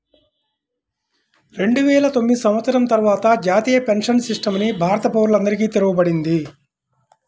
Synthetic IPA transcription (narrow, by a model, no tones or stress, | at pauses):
ɾe̞ɳɖuʋɛːɭɐt̪omːid̪isɐmʋɐt̪sɐɾɐmt̪ɐɾʋaːt̪ɐd͡ʒaːt̪iːjɐpe̞nʂɐnsiʂʈɐmnibʱaːɾɐt̪ɐpoːɾulɐnd̪ɐɾik̬iːt̪eɾuɡubɐɽind̪i